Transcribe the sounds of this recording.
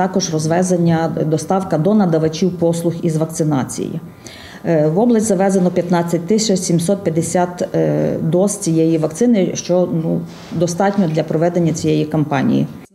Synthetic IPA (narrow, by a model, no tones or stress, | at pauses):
t̪ɑkɔʒrɔzʋɛzenʲːɐd̪ɔst̪ɑwkɐd̪ɔnɐd̪ɐʋɐt͡ʃʲiwpɔslˠʊxizʋɐk̚t̪sɪnɑt͡sʲḭjḭ | ʋɔblˠɐsʲtʲzɐʋɛzenɔpʲjɐt̪nɑt͡sʲːɐt̚ʲt̪ɪsʲɐt͡ʃsʲimsɔt̪̚pʲjɐd̪esʲat̪d̪ɔst͡sʲijɛjiʋɐkt̪sɪnɪʃt͡ʃɔnu | d̪ɔst̪ɑtʲnʲɔd̪lʲɐpɾɔʋɛd̪enʲːɐt͡sʲijɛjikɔmpɑnʲḭjḭ